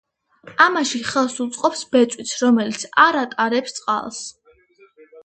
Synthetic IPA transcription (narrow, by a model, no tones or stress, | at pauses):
amaʃiχɛlˠsut̪sʼqʼɔpsbɛt̪sʼwit̪sʰɾɔmɛlit̪sʰaɾat̪ʼaɾɛpst̪sʼqʼa̰lˠs